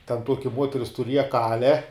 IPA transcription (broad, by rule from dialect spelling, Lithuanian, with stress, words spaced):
tʲɛn ˈtuɔkʲɪ ˈmuɔtʲɛrʲɪs tʊˈrʲiɛjɛ ˈkɑːlʲɛ